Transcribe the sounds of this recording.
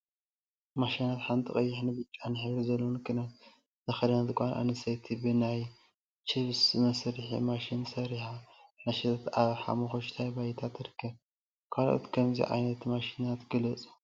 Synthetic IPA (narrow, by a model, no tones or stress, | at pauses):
maʃinat̪ħant̪ʰixʼɐjːɪħnɨbɨt͡ʃʼːanɨħɨβɾizɐlːonɨkʰɨnat̪ | zɐxɐd̪ɐnɐt̪kʷʼanʔa̰nɨsɐjt̪ʰibɨnaj | t͡ʃʰiβsmɐsɾɨħḭmaʃinsɐɾiħamaʃit̪ʰat̪aβħa̰moxoʃt̪ʰajbajt̪ʰat̪ɨɾɨkʰːɐβ | kʰalʔo̰t̪kʰɐmzḭʕa̰jnɐt̪maʃinat̪ɡɨlɐt͡sʼu̥